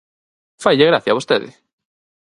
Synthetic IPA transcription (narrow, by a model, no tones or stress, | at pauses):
fajʎeɣɾaθjaβost̪eðɪ̰